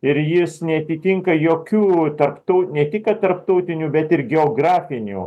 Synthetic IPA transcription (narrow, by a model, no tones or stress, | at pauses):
ɪɾjɪsnʲɛɐt̪ʲit̪ʲɪŋkɐjoːkʲuːt̪ɐɾpt̪ɔʊnʲɛt̪ʲɪkɐt̪ɐɾpt̪ɔʊt̪ʲɪnʲuːbʲɛt̪ɪɾɡʲɛoːɡɾɑːfʲɪnʲṵː